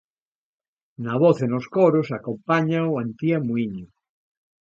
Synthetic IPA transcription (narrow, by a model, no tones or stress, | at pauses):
naβoθenoskoɾosakompaɲawant̪iamuiɲʊ